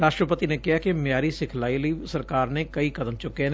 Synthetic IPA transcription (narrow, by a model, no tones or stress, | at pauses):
ɾaːʃʈɾəpət̪inekɪɦakimjaːɾisɪkʰlaːilisɐɾkaːɾnekɐikɐd̪əmt͡ʃʊken